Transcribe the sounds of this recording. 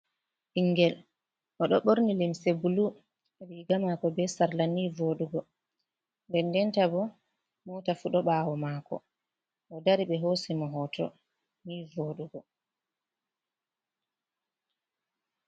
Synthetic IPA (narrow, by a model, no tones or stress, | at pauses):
ʔiŋɡɛl | ʔɔɗɔɓoɾnilimsebulu | ɛliːɡamakɔbɛsaɾlanivoɗuɡɔ | ndɛndɛntabɔ | mɔtafuɗɔɓawɔmaːkɔ̰ | ʔɔdaɾiɓɛɦosɛmɔɦɔtʰɔ̰ | nivoːɗuɡɔ